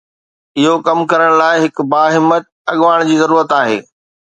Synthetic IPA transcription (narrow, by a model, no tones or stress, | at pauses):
ɪɦokɐmkɐɾəɽ̃laːɪɦɪkbaːɦɪmːət̪̚ɐɠʋaːɽ̃d͡ʑiːzɐɾuːɾət̪aːɦḛː